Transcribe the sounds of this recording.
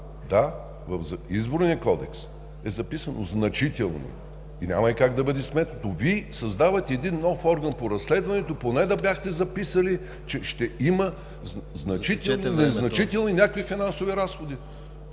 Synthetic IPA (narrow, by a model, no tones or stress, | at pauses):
d̪a | vɐfzizboɾnʲijɐkɔd̪ɛ̰ks | ɛzɐpisɐno̰znɐt͡ʃit̪ɛlˠnḭ | inʲa̰mɐikaɡd̪ɐbəd̪ɛsmɛt̪ɐt̪ovisɐzd̪avɐt̪ɛːd̪inːɔfɔɾɡɐnpoɾɐslɛd̪vɐnɛt̪oponɛd̪ɐbʲjaxt̪ɛzɐpisəli | t͡ʃɛʃt̪ɛimə | zznɐt͡ʃit̪ɛlˠnznɐt͡ʃit̪ɛlˠninʲakoifinansoviɾasxod̪i